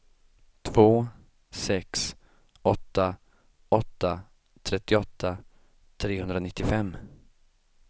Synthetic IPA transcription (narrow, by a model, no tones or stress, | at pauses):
t̪ʰvoː | sɛks | ɔt̪ːa | ɔt̪ːa | t̪ʰɾɛt̪ːɪɔt̪ʰːa | t̪ʰɾeːhɵnd̪ɾanɪt̪ːɪfɛmː